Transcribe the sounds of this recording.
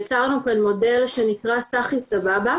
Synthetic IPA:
t͡saʁnupanmo̞de̞lʃenikʁasaχlisababa

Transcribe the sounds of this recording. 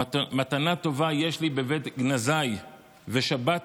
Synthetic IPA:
mat̪anato̞vajeʃlibevet̪ɡnazaj | veʃabat

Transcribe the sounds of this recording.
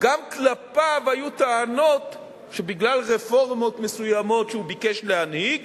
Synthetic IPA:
ɡamklapavajut̪aːno̞t | ʃebiɡlalʁefo̞ʁmo̞t̪mesujamo̞tʃeubikeʃlehanhiɡ

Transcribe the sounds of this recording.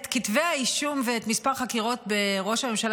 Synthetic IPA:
t̪kitveaiʃumveːt̪mispaʁχakiʁo̞t̚be̞ʁo̞ʃame̞mʃal

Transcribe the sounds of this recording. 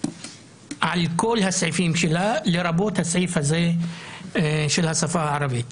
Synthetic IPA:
ʕalkolːhasʕiːfiːmʃɪlalɪɾˤɑbot̪hasʕiːfhazeː | ʃɪlhasˤɑfaːhaʕɑɾˤɑbiːt̪

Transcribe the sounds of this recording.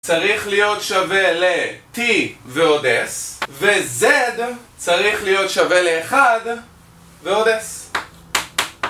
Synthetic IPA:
t͡saʁiχlijo̞t̪ʃave̞le̞t̪iveo̞desvezed̪t͡saʁiχlijo̞tʃave̞leːχad̪ | veo̞d̪es

